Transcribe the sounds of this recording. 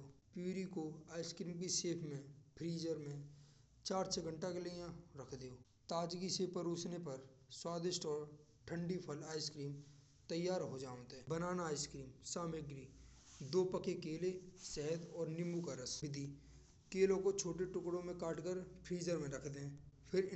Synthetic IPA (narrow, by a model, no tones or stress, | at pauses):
opuːɾikoaːɪskɾiːmk̬iseːpʰmẽpʰɾiːzəɾmẽ | t͡ʃaːɾsʰeɡə̃ɳʈakelejãɾɐkʰd̪eoː | t̪aːd͡ʒɡisepəɾuːsnepɐɾ | swaːd̪ɪʃʈɔːɾ | ʈʰə̃ɳɖipʰəlaːɪskɾiːm | t̪əjːaːɾɦod͡ʒaːʋ̃t̪ɦɛːbənaːnaaːɪskɾiːmsaːmeɡɾiːd̪oːpəkekeːlesɛɦəd̪ɔːɾnɪmukaɾəsɪd̪ʱi | keːlõkot͡ʃʰoːʈeʈʊkɽõmẽkaːʈkəɾpʰɾiːzəɾmẽɾɐkʰd̪eɦɛ̃ːpʰɪɾ